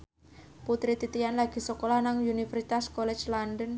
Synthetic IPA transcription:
put̪ɾit̪it̪ijanlaɡ̥i̤sɔkolahnaŋunifərsit̪askɔlɛ̥d͡ʒlandən

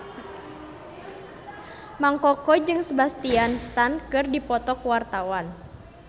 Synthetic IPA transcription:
maŋkɔkɔd͡ʒɨŋsəbast̪ianst̪ankɨrdipɔt̪ɔkuwart̪awan

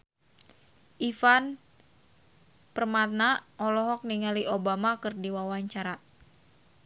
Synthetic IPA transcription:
ʔifan | pərmat̪̚naɔlɔɦɔk̚niŋaliʔobamakɨrdiwawaɲt͡ʃaɾa

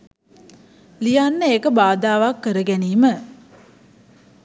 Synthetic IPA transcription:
lijanːəeːkəbaːd̪aːʋakːəɾəɡæniːmə

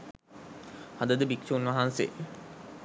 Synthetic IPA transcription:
had̪əd̪əbikʃuunʋɐɦansḛ

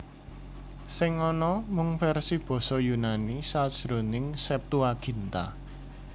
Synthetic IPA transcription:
sɪŋɔnɔmʊŋfɛrsib̥ɔ̤sɔjunanisadʒ̥ɾo̤nɪŋsɛp̚t̪uaɡ̥i̤nt̪a̰

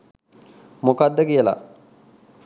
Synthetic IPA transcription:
mokad̪ːəkijəla̰

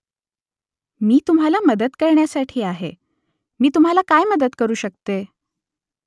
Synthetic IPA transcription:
miːt̪umɦalaməd̪ət̪kəɾɳjasaʈʰiːaɦḛ | miːt̪um̤ɦalakajməd̪ət̪kəɾuːɕək̚t̪e

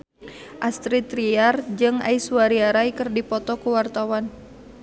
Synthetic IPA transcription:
ʔast̪ɾit̪ɾiard͡ʒɨŋa̰isuaɾiaɾaikɨrdipɔt̪ɔkuwart̪awan

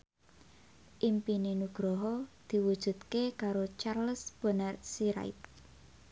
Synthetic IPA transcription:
ʔimpinenuɡ̥ɾɔɦɔd̪̥i̤wud̥ʒ̥ṳt̪kekaɾot͡ʃarləsb̥ə̤nərsiɾa̰jp̚

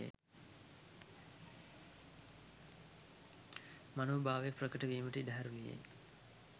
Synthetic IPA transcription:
ḛ | manoːbʱaːʋek̚prəkəʈəʋiːməʈəidɐɦaɾulijḛj

